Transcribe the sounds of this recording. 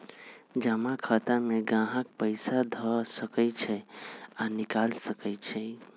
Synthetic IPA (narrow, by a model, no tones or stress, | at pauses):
d͡ʒamakʰat̪ameɡãɦək̚pəɪsad̪ʱɔsəkət͡ʃʰɛanikalsəkət͡ʃʰɛ